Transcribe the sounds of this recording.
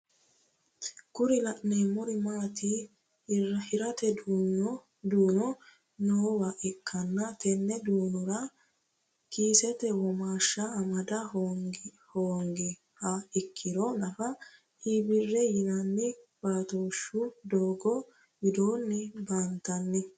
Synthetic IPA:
kʊɾɪlɐʔnemɔɾɪmaːt̪i | ɐhɪɾɐt̪ɛd̪uːnɔ | d̪uːnɔ | nɔɔwɐʔɛkʰːɐnːɐt̪ɛnːɛd̪uːnɔɾɐ | kiːsɛt̪ɛwɔmaːʃːɐːmɐd̪ɐhoŋɡ | hoːŋɡɪ | hɐɪkʰːɪd̪ɔnɐfɐ | iːbɪrːɛjɪnɐnːɪb̥aːt̪oːʃːʊd̪oːɡɔ | bɪd̪o̞ːnːɪbaːnt̪ɐnːɪ

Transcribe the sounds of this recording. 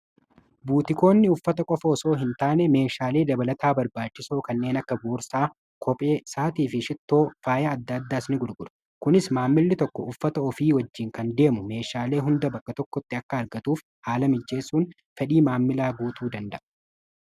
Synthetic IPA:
buːt̪ɪko̞ːnːɪʊfːɐt̪ɐkʼɔfɐːso̞ːɦɪnt̪aːnɛme̞ːʃaːle̞ːd̪ɐbɐlɐt̪ʰaːbɐɾbaːt͡ʃːɪsoːkɐnːe̞ːnɐkːɐboːɾsaː | kʰɔpʼe̞ːsaːt̪iːfɪʃɪt̪ːo̞ːfaːjɐːd̪ːɐːd̪ːaːsnɪɡʊɾɡʊᶑʊ̥ | kʊnɪsmaːmːɪlːɪt̪ɔkːɔʊfːɐt̪ɐɔfiːwɐd͡ʒːiːŋkɐnd̪e̞ːmʊme̞ːʃaːle̞ːɦʊnd̪ɐbɐkʼːɐt̪ɔkːɔt̪ːɪɐkːɐɐɾɡɐt̪uːf | haːlɐmɪd͡ʒːe̞ːsːuːn | fɛᶑiːmaːmːɪlaːɡuːt̪uːd̪ɐnd̪ɐʔɐ

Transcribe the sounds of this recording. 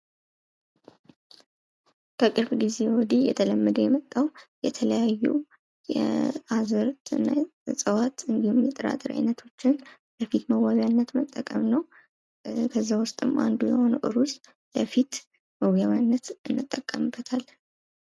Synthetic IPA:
kʰəkʼɨɾbɡize̞wɔd̪ijɛt̪ʰələmːəd̪əjɛmət̪ʼːawjɛt̪ʰələjajːṵ | jɛ̰azɨɾt̪ʰɨnːa̰ | sʼəwat̪ɨnd̪ihumjɛt̪ʼːəɾa̰t̪ʼɨɾa̰jnət̪ʰo̞t͡ʃːɪn | ləfit̪məwawjanːət̪mət̪ʼːəkʼəmnəw | kʰəzːawʊst̪ʼɨma̰nd̪ujɛho̞nəwʔɨɾus | ləfit̪ | məwjaβanːət̪ɨnːɨt̪ʼːəkʼːəmbːət̪ʰal

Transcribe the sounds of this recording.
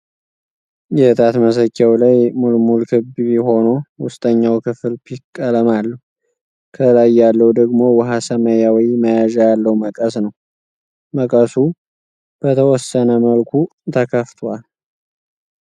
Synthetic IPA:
jɛt̪ʼat̪məs̬əkʼːawlajmulmulkʰɨbɛɦo̞nowʊst̪ʼəɲːawkʰɨfɨlpʰikkʼːələmalːəh | kʰəlajalːəwd̪əɡmo̞wəɦasəməjawiməjaʒjalːəwməkʼəsnəw | məkʼəsu | b̥ət̪ʰəwɔsːənəməlkʷʰu | t̪ʰəkʰəft̪ʰwal

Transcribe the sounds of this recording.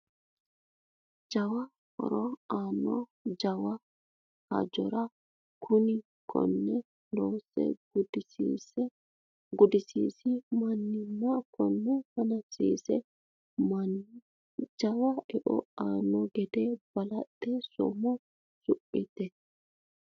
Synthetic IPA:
d͡ʒɐwa | kɔ̰ɾɔanɔd͡ʒɐwa | hɐ̰d͡ʒɔɾa | kʰʊnɪ | kʰɔ̰nːɛ | loːsɛ̰ɡ | ɡʊd̪ɪsḭːsimɐnːɪmːakɔnːɛfɐnɐsiːsɛ | d͡ʒɐwaɛʔɔ̰aːnːɔɡɛd̪ɛb̥ɐlɐtːɛsɔ̰mɔ | sʊpʼːit̪ɛ

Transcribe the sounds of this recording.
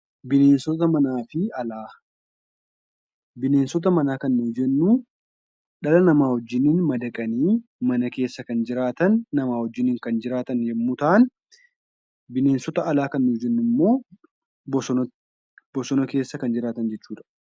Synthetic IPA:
bɪne̞ːnsɔt̪̬ɐmɐnaːfɪɐlaː | bɪne̞ːnsɔt̪̬ɐmɐnaːkɐnːʊːd͡ʒɛnːu | ɗɐlɐnɐmaːwɔd͡ʒːɪninmɐd̪ɐkʼɐniːmɐnɐke̞ːsːɐkɐnd͡ʒɪɾaːt̪ɐnːɐmaːwɔd͡ʒːɪniːŋkɐnd͡ʒɪɾaːt̪ɐnjɛmːut̪ɐʔɐn | bɪne̞ːnsɔt̪ɐʔɐlaːkɐnːʊd͡ʒɛnːʊmːo̞ː | b | bɔsɔnɐke̞ːsːɐkɐnd͡ʒɪɾaːt̪ɐnd͡ʒɛt͡ʃːuːᶑɐ̥

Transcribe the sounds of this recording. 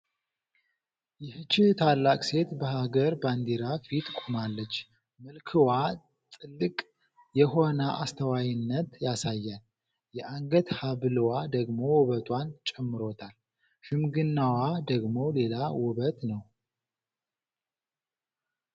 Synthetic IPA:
jɪhɨt͡ʃːɪht̪ʰalːakʼse̞t̪bəhaɡəɾband̪iɾafit̪ʼkʷʼumalːət͡ʃː | mɨlkʰɨwa | t̪ʼɨlːɨkʼ | jɛɦo̞nəʔast̪ʰəwajɪnːət̪jasajːan | jɛʔaŋɡət̪haβɨlɨwad̪əɡmo̞wɔβət̪ʼwant͡ʃʼɛmːɨɾo̞t̪ʰal | ʃɨmɡɨnːawad̪əɡmo̞le̞lawʊβət̪nəw

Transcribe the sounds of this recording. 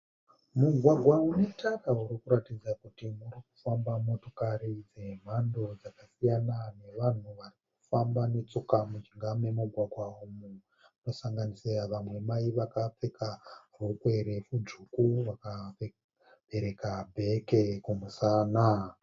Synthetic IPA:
muɡʱwaɡʱwaune̞tʰarauɾikuɾatid͡zakutimuɾiku̥fambamo̞to̞kaɾid͡ze̞m̤ando̞d͡zakasijanane̞ʋan̤uʋariku̥fambane̞t͡sokamut͡ʃiŋɡamemuɡʱwaɡʱwaumu | uno̞saŋɡaniseaʋamwe̞maiʋakap͡fe̞karukwe̞ɾe̞fud͡ʐukuʋaka | b̥e̞ɾe̞kabʱe̞ke̞kumusaːna

